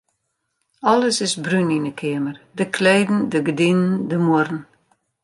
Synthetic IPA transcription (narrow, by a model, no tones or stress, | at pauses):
ɔləsɪsbryninəkʰɪəmərdəkʰleːdn̩dəɡədinəndəmʊrn̩